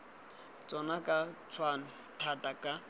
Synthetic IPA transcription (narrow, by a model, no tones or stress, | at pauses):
t͡sʼɔnakʼat͡sʰwanʊ | tʰatʼakʼa